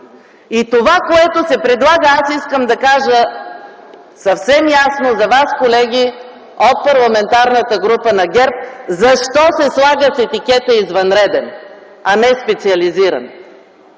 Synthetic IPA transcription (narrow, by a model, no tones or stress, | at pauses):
it̪ovakoɛt̪osɛpɾɛd̪lˠaɡəasiskəmd̪ɐkaʒə | sɐfsɛmjasnozɐvaskolɛɡʲi | ot̪̚pɐɾlˠɐmɛnt̪aɾnət̪əɡɾupənɐɡɛɾp̚zɐʃt̪ɔsɛslˠaɡəsɛt̪ikʲɛt̪əizvɐnɾɛd̪ɛn | ɐnɛspɛt̪siɐliziɾə̰n